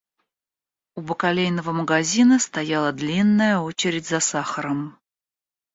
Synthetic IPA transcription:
ubəkalʲejnəvəməɡɐzʲinəst̪ɐjalˠəd̪lʲinːəjəo̞t͡ɕɪɾʲɪdʲzɐsaxəɾəm

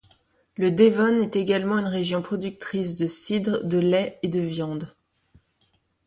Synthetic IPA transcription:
ləd̪evɔnɛt̪eɡalmɑ̃ynʁeʒjɔ̃pχɔd̪yk̚t̪χis̬d̪əsid̪ʁd̪əlɛed̪əvjɑ̃d̪

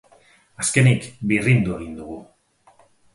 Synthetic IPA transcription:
aske̞nikbirind̪ue̞ɣind̪uɣu

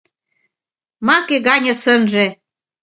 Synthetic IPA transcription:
mɑkeɣɑnʲɤ̆sənʒe

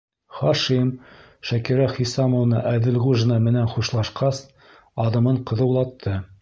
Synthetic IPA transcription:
χɑʃim | ʃækiɾæχisɑmŏvnɑ̰ʔæðɘ̆lʁuʒnɑmɘ̆nænχuʃlˠɑʃqɑs | ɑðɤ̆mɤɴqɤ̆ðɤ̆wlˠɑt̪ʰːɤ

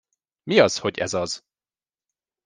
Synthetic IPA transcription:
miɒzhoɟɛ̰zɒz̥

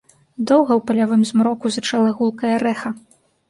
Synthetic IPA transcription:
d̪ɔwɣɐwpɐlʲavɨmzmɾɔkuzɐt͡ʂalˠɐɣulˠkɐjɐɾɛxɐ

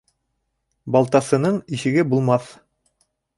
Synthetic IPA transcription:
bɑlˠt̪ɑsɤ̆nɤɴiʃɘ̆ɡɘbulˠmɑθ

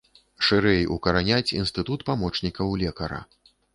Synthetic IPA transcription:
ʂɨɾɛjukɐɾanʲat͡sʲḭnst̪ɨt̪ut̪pamɔt͡ʂnʲikɐwlʲɛkɐɾɐ̰

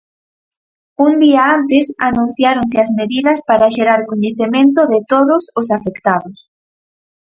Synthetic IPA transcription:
und̪iaant̪ɪsanũn̟θjaɾonsɪazmeðiðɐspaɾaʃeɾaɾkoɲeθemẽnt̪ʊðɪt̪oðʊsʊsafekt̪aðʊs

